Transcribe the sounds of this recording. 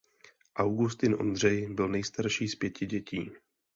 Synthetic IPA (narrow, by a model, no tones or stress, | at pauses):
ʔawɡust̪ɪnʔo̞̰nd̪r̝ɛjbɪlnɛjst̪aɾʃiːspjɛcɪɟɛcḭː